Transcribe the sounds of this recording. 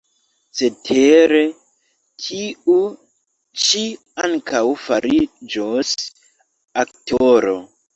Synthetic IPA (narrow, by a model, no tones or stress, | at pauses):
setʰeɾe | tʰiu | t͡ʃi | aŋkʰawfaɾid͡ʒos | ak̚toɾo̰